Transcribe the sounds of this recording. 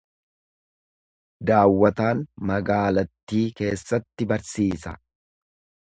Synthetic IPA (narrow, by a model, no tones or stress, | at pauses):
d̪aːwːɐt̪aːnmɐɡaːlɐt̪ːiːke̞ːsːɐt̪ːɪbɐɾsiːsɐ